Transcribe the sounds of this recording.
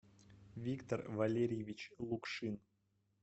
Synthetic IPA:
vʲikt̪orvalʲeɾʲɪjevʲit͡ɕlˠukʂɨn

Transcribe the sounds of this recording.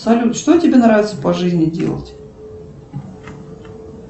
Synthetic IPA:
sɐlʲut̪ʂt̪otʲɪbʲenɾavʲɪt̪səpɐʐɨzʲnʲɪdʲḛlˠə̰tʲ

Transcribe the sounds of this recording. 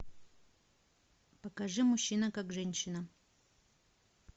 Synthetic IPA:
pəkɐʐɨmʊɕːinəkakʐɛnʲɕːɪnə

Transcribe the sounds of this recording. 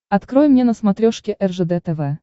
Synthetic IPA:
ɐt̪kɾojmnʲenəsmat̪ɾʲoʂkʲɪʔɛrʐɛd̪ɛt̪ɛvɛ

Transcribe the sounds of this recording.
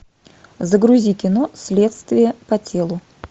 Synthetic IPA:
zəɡɾʊzʲikʲɪnosʲlʲe̞t̪st̪vʲɪjəpɐtʲe̞lˠʊ

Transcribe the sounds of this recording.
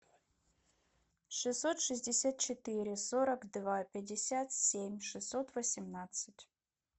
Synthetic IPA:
ʂɨsːot̪ʂɨzʲdʲɪsʲat̪̚t͡ɕɪt̪ɨɾʲɪsoɾəkd̪vapʲɪdʲɪsʲat̪sʲemʲʂɨsːot̪vəsʲɪmnat̪sɨtʲ

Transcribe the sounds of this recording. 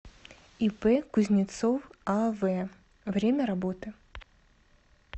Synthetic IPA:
ipɛkʊzʲnʲɪt̪sofavɛ | vɾʲemʲəɾabot̪ɨ

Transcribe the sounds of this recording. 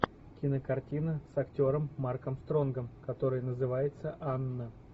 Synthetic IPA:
kʲɪnəkɐrtʲinəsɐktʲo̞ɾəmːarkəmst̪ɾo̞nɡəmkɐt̪o̞ɾɨjənəzɨvajɪt̪səʔanːə

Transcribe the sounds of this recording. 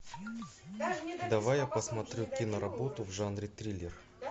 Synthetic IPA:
d̪ɐvajapəsmɐt̪ɾʲukʲinəɾɐbo̞t̪ʊvʐanɾʲɪt̪ɾʲilʲːɪr

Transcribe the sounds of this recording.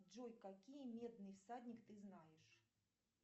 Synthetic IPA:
d͡ʐɔjkakʲijmʲɛd̪̚nɨjfsadʲnʲikt̪ɨznajɛʂ

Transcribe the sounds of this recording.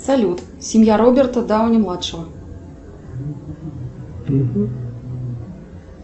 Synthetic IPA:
salʲut̪ | sʲimjaɾɔbʲɛrt̪ɐd̪awnʲɛmlˠat̪ʂɐvɐ

